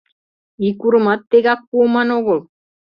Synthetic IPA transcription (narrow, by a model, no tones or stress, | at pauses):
ikuɾ̆mɑt̪ːeɣɑkːuːmɑnoɣol